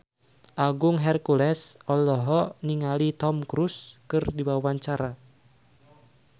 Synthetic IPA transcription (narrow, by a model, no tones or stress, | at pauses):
ʔaɡʊŋɦɛrkulɛsʔɔlɔɦɔniŋalit̪ɔmkɾuskɨrdibwawwaɲt͡ʃaɾa